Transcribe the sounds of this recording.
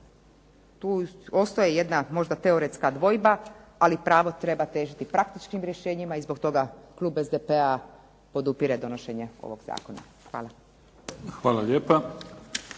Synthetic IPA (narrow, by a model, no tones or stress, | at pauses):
t̪uːo̞st̪ojeje̞d̪namo̞ʒd̪at̪e̞o̞ɾet̪skad̪ʋo̞jbaalipɾaːʋo̞t̪ɾe̞bat̪e̞ːʒit̪ipɾakt̪it͡ʃkimɾje̞ʃe̞ːɲimaizbo̞kt̪o̞ɡaklˠuːbe̞zd̪epea | po̞d̪upiɾed̪o̞no̞ʃe̞ɲe̞o̞̰ʋo̞̰ɡz̥a̰ːko̞na̰ | xʋa̰ːla | xʋaːlaʎeːpa